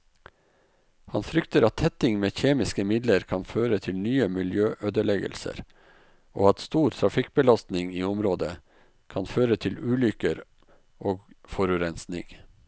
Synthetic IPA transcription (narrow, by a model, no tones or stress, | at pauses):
hɑnfɾʏkt̪əɾɑt̪hɛt̪ɪŋmeːçeːmɪskəmɪd̪ləɾkʰɑnføːɾət̪ʰɪlnyːəmɪljøːʔøːd̪əɭɛɡə̰lsə̰ɾ | ʔo̰ːɑt̪st̪uːɾt̪ʰɾɑfɪk̚bəlɑst̪nɪŋiːʊmɾoːd̪ə | kʰɑnføːɾət̪ʰɪlʉːlʏkəɾ | ʔoːɡfɔɾʉɾɛnsnɪ̰ŋ